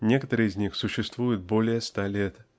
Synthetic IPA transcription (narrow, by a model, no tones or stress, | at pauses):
nʲe̞kət̪əɾɨɪzʲnʲixsʊɕːɪst̪vujɪt̪̚bo̞lʲɪjəst̪alʲet̪